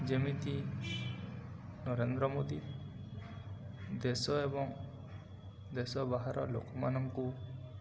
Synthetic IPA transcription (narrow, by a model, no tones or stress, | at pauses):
d͡ʒəmit̪i | nɔɾend̪ɾɔmod̪i | d̪esɔebɔŋ | d̪esɔbaɦaɾɔ̰lo̰kɔmanɔmku